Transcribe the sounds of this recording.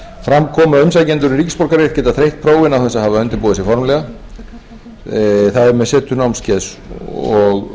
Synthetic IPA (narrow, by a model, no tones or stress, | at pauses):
fɾamkʰɔːmaʏms̬ajcɛnt̪ʏɾʏricɪ̥spɔr̥kaɾer̥cɛːt̪aðθɾejht̪̚pʰɾoːwvɪnawθɛsːaðhavaœnt̪ɪɾpuːðɪsjɛfɔɾmlɛːɣa | θaðɛɾmɛðsɛːt̪ʏnawmscɛðs | ɔɣ